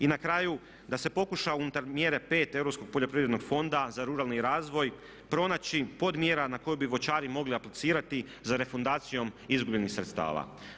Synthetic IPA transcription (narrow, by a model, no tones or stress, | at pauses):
inakɾaːju | d̪ase̞po̞kuʃaunut̪aɾmje̞ɾe̞pe̞ːt̪e̞vɾo̞psko̞ɡ̚poʎopɾiʋɾed̪no̞ɡfo̞nd̪azaɾuɾalˠniɾaːzʋo̞j | pɾo̞naːt͡ɕipo̞d̪mje̞ːɾanako̞jubiʋo̞t͡ʃaːɾimo̞ɡliaplit̪siːɾat̪i | zaɾe̞fond̪aːt̪sijo̞mizɡubʎenixsɾe̞t̪st̪a̰ːʋa̰